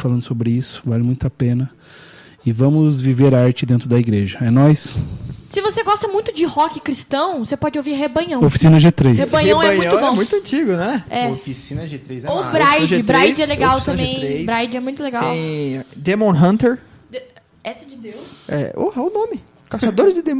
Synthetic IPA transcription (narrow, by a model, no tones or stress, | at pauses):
falɐ̃nd̪ʊsobɾɪisʊ̥valɪmũj̃t̪apẽnɐ | ɪvɐ̃mʊzviveɾaɾt͡ʃɪd̪ẽnt̪ɾʊd̪ɐiɡɾeʒɐɛnɔssɪvoseɡɔst̪ɐmũj̃t̪ʊd͡ʒɪhɔkɪkɾist̪ɐ̃w̃sepɔd͡ʒɪowviɾɦebɐ̃jɐ̃w̃ofi̥sĩnɐʒet̪ɾejhebɐjɲɐɛ̃w̃ɛɐ̃mɲũjɐ̃ʊ̃boɛ̃ũj̃t̪ʊɐ̃nt͡ʃiɡʊnɛɛofisĩnɐʒet̪ɾejzɛobɾajd͡ʒʒɪb̪ɾajd͡ʒɪɛleɡawt̪ɐ̃bẽjj̪̃ɾejbɾajd͡ʒɪɛmũj̃t̪ʊleɡawwẽj̃d̪emõɦɐ̃nt̪eɾ | d̪e | ɛsɪd͡ʒɪd̪ewsɛ̰o̰hɐʊnõmɪ | kasad̪oɾɪzd͡ʒɪd̪em